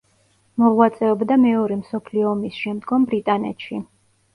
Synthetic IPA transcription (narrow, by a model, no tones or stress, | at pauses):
mɔvwat̪sʼɛɔbd̪amɛɔɾɛmsɔpʰliɔːmisʃɛmd̪ɡɔmbɾit̪ʼanɛ̰t̪ʃi